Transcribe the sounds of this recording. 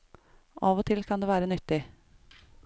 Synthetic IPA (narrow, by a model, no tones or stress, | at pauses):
ʔɑːʋoːt̪ʰɪlkʰɑnd̪eːʋæːɾənʏt̪ːɪ